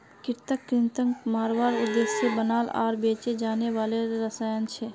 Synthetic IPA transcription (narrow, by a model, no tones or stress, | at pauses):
kɪɾt̪əkːɾɪnt̪əŋɡmaːɾwaːɾʊd̪ːeːʃsebənaːla̰ːɾbeːt͡ʃed͡ʒaːneʋaːleɾəsaːjənt͡ʃʰɛː